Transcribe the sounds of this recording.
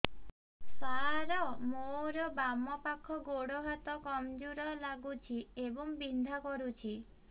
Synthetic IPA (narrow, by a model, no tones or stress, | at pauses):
saɾɔmoɾɔbamɔpakʰɔɡoɽoɦat̪ɔkɔmd͡ʒuɾɔlaɡut͡ʃʰiebɔŋbind̪ʱakɔɾut͡ʃʰi